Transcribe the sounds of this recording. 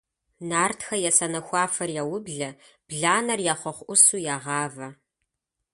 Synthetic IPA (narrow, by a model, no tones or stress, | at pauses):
naːrtʰxɐjɛsɐnɐxʷɑːfɐrjɛwʊbɮɐ | b̥ɮaːnɐrjaːχʷɔχʷʔʊsuːjaːʁɑːvɐ